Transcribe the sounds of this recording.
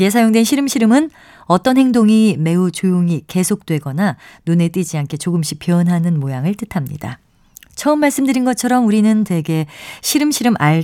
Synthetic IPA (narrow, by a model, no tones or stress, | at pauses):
es̬ʰajoŋdwe̞nɕʰiɾɯmɕʰiɾɯmɯn | ʌt͈ʌnɦheŋdoŋime̞ut͡ɕojoŋike̞sʰok̚t͈we̞ɡʌnanune̞t͈ɯd͡ʑiankʰe̞t͡ɕoɡɯmɕ͈ipjʌnɦanɯnmojaŋɯɭt͈ɯtʰamɲḭda̰ | t͡ɕʰʌɯmːaɭs͈ɯmdɯɾinɡʌt͡ɕʰʌɾʌmuɾinɯntwe̞ɡe̞ɕʰiɾɯmɕʰiɾɯmʔaɭ